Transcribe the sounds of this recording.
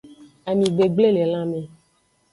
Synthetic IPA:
a˨mĩ˨ɡ͡be˨ɡ͡ble˦le˨lã˦mẽ˨

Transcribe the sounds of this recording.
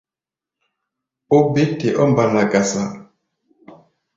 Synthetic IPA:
o˦be˦te˨ʔɔ˦mba˨na˨ɡa˨sa˨

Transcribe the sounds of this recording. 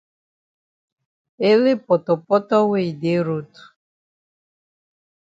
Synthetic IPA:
e˦le˦pɔ˨t̪ɔ˨pɔ˦tɔ˦we˦˨de˨˦ɾo˨tu̥˨

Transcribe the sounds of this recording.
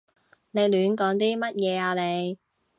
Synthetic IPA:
ne˨˧jlyː˨˥nkɔː˨˥ŋt̪̬iː˥mɐ˥t̚jɛː˨˧aː˧le˨˧j

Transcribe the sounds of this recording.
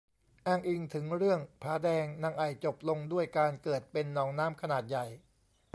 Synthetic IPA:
ʔaː˧˩ŋʔi˧ŋt̪ʰɯ˩˦ŋɾɯ˥˩əŋpʰɾaː˩˦˥dɛː˧ŋna˧ŋʔa˨˩jt͡ɕo˨˩p̚lo˧ŋdu˥˩əjkaː˧nkɤː˨˩t̪̚pe˧nːɔː˩˦˥ŋnaː˦˥mkʰa˧naː˨˩t̪̚ja˨˩j

